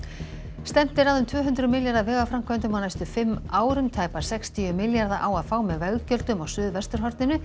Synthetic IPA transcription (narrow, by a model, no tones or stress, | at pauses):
st̪ɛm̥t̪ɪɾaðʏmt̪ʰvœːɦʏnt̪ɾʏmɪljaɾðavɛːɣafɾamkʰvɛnt̪ʏmanajst̪ʏfɪmːaːwɾʏmt̪ʰaːjpaɾ̥sɛkst̪ʰiʏmɪljaɾðaʔawaðfaːwmɛðvɛɣcœlt̪ʏmaɣsʏːðvɛst̪ʏɾɦɔɾt̪nɪnʏ